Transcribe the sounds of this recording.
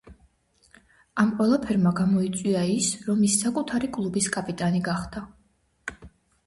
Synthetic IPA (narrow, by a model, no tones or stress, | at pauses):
amqʼwɛlˠapʰɛɾmaɡamɔit̪sʼwiaisɾɔmisːakʼut̪ʰaɾikʼlˠubiskʼapʼit̪ʼaniɡaχd̪̥a